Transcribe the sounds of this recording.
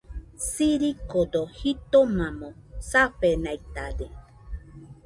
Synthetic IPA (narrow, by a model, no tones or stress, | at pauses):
siɾikod̪ohit̪omãmõsapenajt̪ad̪e